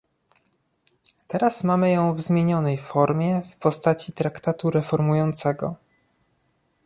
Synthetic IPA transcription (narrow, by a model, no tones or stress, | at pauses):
t̪ɛɾasmamɘjɔ̃w̃vzmʲjeɲɔnɛjfɔɾmʲjɛfpɔst̪at͡ɕit̪ɾakt̪at̪uɾɛfɔɾmujɔnt̪sɛɡɔ̰